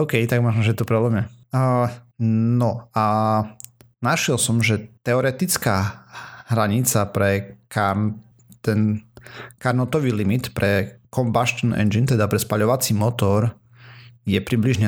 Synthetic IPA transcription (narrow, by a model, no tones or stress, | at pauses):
oʊkɛjt̪aɡ̚mɔʒnɔʒɛt̪ɔpɾɛblɛmɛ | nɔa | naʃɛlsɔmʒɛt̪ɛɔɾɛt̪it͡skaːɦɾaɲit͡sapɾɛka | t̪ɛn | kaɾnɔt̪ɔʋiːlimit̪pɾʔɛkɔmbaʃt̪ɔnɛ̰nd͡ʒint̪ɛd̪apɾɛspaʎɔʋat͡simɔt̪ɔɾ | jɛpɾibliʒɲɛ